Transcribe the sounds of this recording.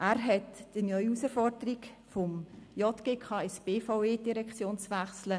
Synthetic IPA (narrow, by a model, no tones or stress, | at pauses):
ʔæːɾɦɛtd̥inœʏusəfɔrdəɾikfɔmjɔt̪ɡ̥eːkʰɑːɛsb̥eːfaʊeːdiɾɛkt͡sjoːnt͡sʋæχslə